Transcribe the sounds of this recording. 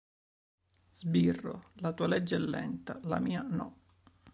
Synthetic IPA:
z̥birːo̰lat̪uːalɛd͡ʒːɛlːɛ̰nt̪ala̰miːanɔ

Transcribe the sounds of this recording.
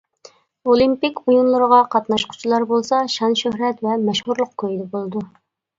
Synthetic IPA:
olˠimpikʲujunlˠʊɾəʁɑqʰɑt̪nɑʃqʰʊ̥t͡ʃʰilˠɑɾbolˠsɑʃɑnʃøhɾɛt̪vɛmɛʃhuɾlˠəq̚kʰøjd̪ɛbolˠɨd̪u

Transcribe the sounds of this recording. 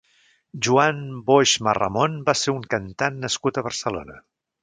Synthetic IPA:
ʒuanboʒmərə̰monbaseɾuŋkənt̪anːəskut̪əβərsəlo̰nə

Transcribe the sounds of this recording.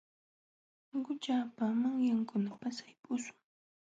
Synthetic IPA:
ɢʊt͡ʃaːpamaŋjaŋkʊnapasajpʊsʊ̥ŋ

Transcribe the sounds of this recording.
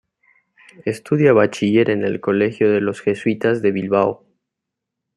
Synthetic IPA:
e̞st̪uðjaβat͡ʃiʝe̞ɾe̞ne̞lko̞le̞xjo̞ðe̞lo̞sxe̞swit̪azðe̞βilβao

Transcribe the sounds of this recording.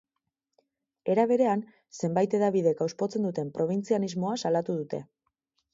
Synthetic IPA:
e̞ɾaβ̞e̞ɾe̞an | se̞mbajt̪e̞ðaβiðe̞ɡawspo̞t͡se̞nd̪ut̪e̞mpɾo̞βint͡sianizmo̞asalat̪uðut̪e̞̰

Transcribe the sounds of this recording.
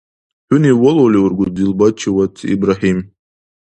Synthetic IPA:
ħʊniwɔloliwurɡʷʊzdilbat͡ʃʰiwatʰḭbraħim

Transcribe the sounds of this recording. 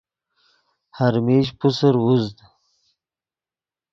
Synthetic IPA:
haɾmeʒpusəɾwuzd̪

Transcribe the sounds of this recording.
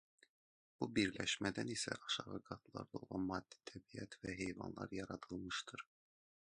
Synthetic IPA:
b̥ubiɾlæʃmæd̪ænisæ̰ʔɑʃɑʁɤɡɑt̪lˠɑ̰ɾd̪ɑolˠɑnmɑd̪̥ːi̥t̪ʰæbijæt̪væɦejvɑ̰nlˠɑ̰ɾjɑɾɑt̪ʰɯlˠmɯʃt̪ʰɯɾ

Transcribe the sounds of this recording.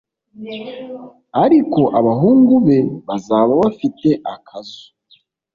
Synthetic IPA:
aɾiko̞ʔaβaɦuːŋɡuβe̞βazaːβaβafite̞ʔakʰazu̥

